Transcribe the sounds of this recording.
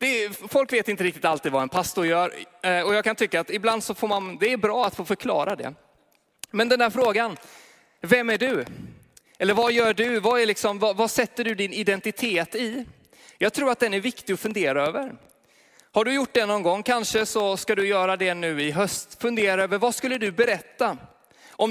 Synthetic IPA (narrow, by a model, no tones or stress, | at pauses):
d̪̥ɛfɔlkveːt̪ɪnt̪əɾɪk̚t̪ɪ̥t̪alt̪iːd̪vaɛnpʰast̪ʊɾjœːɾɔjɑːɡ̚kʰant̪ʰʏkːaːt̪ɪbland̪sɔfoːɾmand̪ɛːɾbɾɑːat̪foːfœɾkʰlɑ̰ːɾad̪ɛ̰ | mɛnd̪ɛnd̪æːɾfɾoːɡan | vɛmːæɖɵ | ɛlːəɾvajœːɖɵvaælɪksɔmvavasɛt̪ːəɖɵd̪ɪnɪd̪ɛnt̪ɪt̪ʰeːt̪ɪ | jɑːɡt̪ʰɾuːɾat̪̚d̪ɛnæɾvɪkt̪ɪɡɔfɵnd̪eːɾaøːvəɾ | haɖɵjʊʈ̚ːd̪ɛnɔnɡɔŋːkʰanʂəsɔskad̪ɵjœːɾad̪ɛnʉ̟ːɪɦœst̪fɵnd̪eːɾaøːvəɾvaskɵlːəɖɵbɛɾɛt̪ːa | ʔɔm